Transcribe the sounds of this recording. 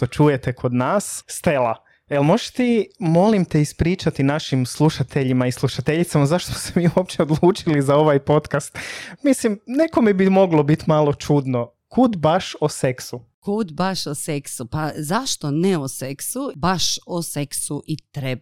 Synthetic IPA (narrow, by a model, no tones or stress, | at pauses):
t̪o̞t͡ʃujet̪ekʰo̞d̪naːsːt̪elˠa | elˠmoʒt̪imo̞limt̪eispɾiːt͡ʃat̪inaʃimslˠuʃat̪ʰeʎimaislˠuʃat̪eʎit̪samazaʃt̪osemiːuop̚t͡ʃeod̪lˠuːt͡ʃilizao̞ʋajpo̞t̪kast̪mislimneko̞mibimo̞ɡlo̞bit̪malˠo̞t͡ʃud̪no̞ | kʰuːd̪baʃose̞ksu | kud̪baʃoseksupazaʃt̪onɛoseksubaʃoseksuʔit̪ɾeba